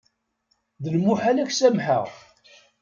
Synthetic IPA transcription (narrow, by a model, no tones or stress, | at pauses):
ðəlmuħalæçsæmħə̰ʁ